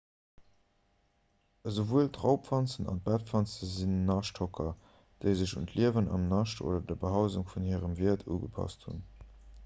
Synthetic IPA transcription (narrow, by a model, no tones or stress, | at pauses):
əzovuəltʁɑʊpfɑnt͡sənɑ̰nt̚bæt̚fɑnt͡səzinnɑʃthokʰɐ | d̥əɪzəʃṵntʰliəvənɑ̰mnɑʃtʰo̰ːdɐdɐbəɦaʊzuŋfunhiəʁəmviːɐtʰṵːɡəpʰɑ̰sthṵn